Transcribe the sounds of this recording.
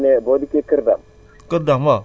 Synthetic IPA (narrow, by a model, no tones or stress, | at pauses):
nebodikekiɾdam | kəɾdama